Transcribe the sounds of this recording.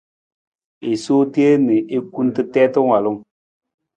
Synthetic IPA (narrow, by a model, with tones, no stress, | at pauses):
e˨soː˦ti˦e˦nɨ˨ʔe˦ku˦n˦tɨ˦tɛ˦tɨ˦ŋwa˨lʊ˦ŋ